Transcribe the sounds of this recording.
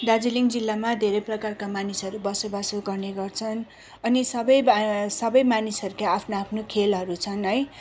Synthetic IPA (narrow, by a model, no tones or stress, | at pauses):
d̪ad͡ziliŋd͡zilːamad̪ʱeɾʌjprʌkarkamanisɦʌɾubʌsobasoɡʌrneɡʌrt͡sʰʌn | ʌnisʌbʌjsʌbʌjmanisɦʌɾukaːpʰnoapʰnokʰelɦʌɾut͡sʰʌnɦʌj